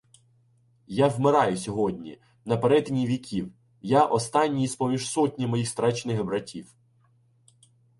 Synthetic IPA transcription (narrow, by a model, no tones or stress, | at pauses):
jawmɪɾɑjʊsʲɔɦɔdʲnʲḭ | nɐpeɾɛd̪nʲiʋʲikʲʰiw | jaʔɔst̪ɑnʲːijispɔmʲiʒsɔtʲnʲɐmɔjixst̪ɾɛt͡ʃnɪxbɾɐtʲiw